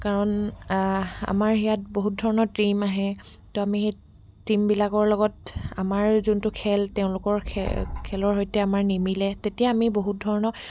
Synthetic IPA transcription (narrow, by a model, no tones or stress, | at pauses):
kaɹɔn | a̰maɹijat̚boɦut̚dʱɔɹɔnɔtɹimaɦɛ | toamixej | timbilakɔɹlɔɡɔta̰maɹzuntʊkʰɛlteʊ̃lʊkɔɹkʰɛ̰kʰɛlɔɹɦɔjtɛamaɹnimilɛtetijaːmiboɦut̚dʱɔɹɔnɔ